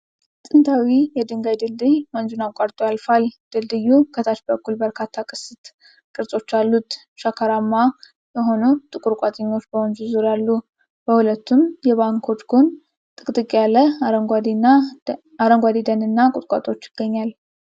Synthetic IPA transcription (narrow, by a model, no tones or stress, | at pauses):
t̪ʼɨnt̪ʰawijɛd̪ɨŋɡajd̪ɨld̪ɨjmənd͡ʒunakʷʼaɾt̪ʼojalfald̪̥ɨld̪ɨjːukʰət̪ʰat͡ʃbəkːulbəɾkʰat̪ʰːakʼɨsɨt̪ | kʼɨɾsʼo̞t͡ʃːalːut̪ | ʃakʰaɾamːa | jəɦo̞nut̪ʼɨkʼuɾkʷʼat̪ʼəɲːo̞t͡ʃːbəwond͡ʒuzuɾjalːu | b̥əhulət̪ːumjɛβaŋkʰo̞t͡ʃɡon | t̪ʼɨkʼt̪ʼɨkʼjalːəəɡad̪a | aɾəŋɡʷad̪id̪ənɨnːakʼʊt̪ʼkʼa̰t̪ʼo̞t͡ʃːɪɡ̥ːəɲːal